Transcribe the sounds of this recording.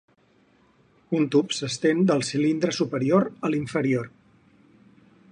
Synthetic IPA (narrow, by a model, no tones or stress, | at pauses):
unt̪upsəst̪end̪əlˠsilind̪ɾəsupəɾioɾəliɱfəɾioɾ